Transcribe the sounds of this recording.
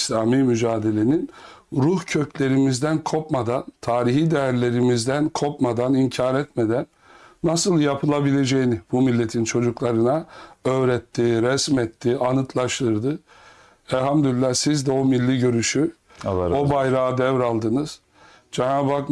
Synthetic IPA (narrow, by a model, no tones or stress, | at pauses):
slʲaːmimyd͡ʒaːd̪e̞lʲe̞nin | ɾuhcʰø̞cʰlʲe̞ɾimizd̪ænkʰo̞pmad̪ant̪ʰaːɾiɦiːd̪ejæɾlʲe̞ɾimizd̪ænkʰo̞pmad̪animcʰaːɾɛt̪me̞d̪ænː | asɯlˠjapʰɯlˠabilʲe̞d͡ʒejinib̥umilʲːe̞t̪ʰint͡ʃʰo̞d͡ʒuklˠaɾɯnaø̞ːɾɛt̪ʰːiɾɛsmɛt̪ʰːianɯt̪ʰlˠaʃt̪ʰɯɾd̪ɯ | ɛlʲhamd̪ylʲlːæsizd̪ɛo̞milʲːiɟø̞ɾyʃy | obajɾaːd̪ɛvɾalˠd̪ɯnɯz̥ | d͡ʒɛnaːbak